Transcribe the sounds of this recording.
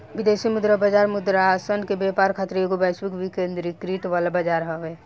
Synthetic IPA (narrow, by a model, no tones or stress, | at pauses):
ʋid̪esimud̪ɾabəd͡ʒaɾmʊd̪ɾaasənkebepaɾkʰat̪ɾeoɡobaswikʋikẽnd̪ɾikɾiʈʋalabəd͡ʒaɾɦəʋe